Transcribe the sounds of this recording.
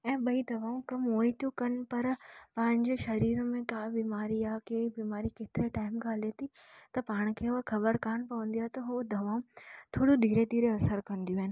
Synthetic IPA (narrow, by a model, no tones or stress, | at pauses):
ɛ̃ːɓɐid̪ʱɐʋaːũkɐmɦoːĩt̪jũkɐnɪ̆pɐɾpɐ̃ɦɪ̃ɲd͡ʑeʃɐɾiːɾmẽkaːbiːmaːɾiaːkebiːmaːɾiket̪ɪɾeʈaːɪmɡaːlet̪ʰi | t̪ɐpaːɽ̃kʰeːxɐbəɾkaːnpɐʋə̃n̆d̪ijaːɦet̪ɐɦod̪ʱɐʋaːũt̪ʰoːɽuɗ̪ʱiːɾed̪iːɾeɐsəɾkɐ̃nd̪ijũɦɪnɪ̆